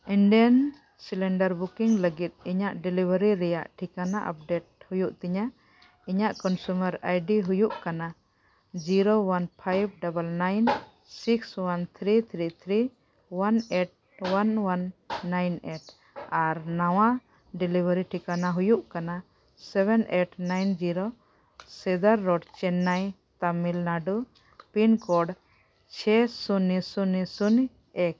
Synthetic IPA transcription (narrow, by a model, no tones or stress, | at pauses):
iɳɖiən | silɛɳɖəɾbukiŋləɡit̪̚iɲaʔɖilibʱəɾiɾɛjaʔʈʰikanaʔa̰p̚ɖeʈ̚hujuʔt̪ɛɲa | iɲaʔkɔnsuməɾajɖiɦujuʔkana | d͡ʒiɾowanpʰajb̚ɖabəlnajn | sikswant̪ʰɾit̪ʰɾit̪ʰɾi | waneʈ̚ | wanwanːajneʈ̚ | aɾnaw̃a | ɖilibʱaɾiʈʰikanaɦujuʔkana | sɛbɛneʈnajnd͡ʒiɾo | sɛd̪aɾːɔɖt͡ʃɛnːaj | t̪amilnaɖu | pinkɔɖ | t͡ʃʰɛsunisunisun | ek̚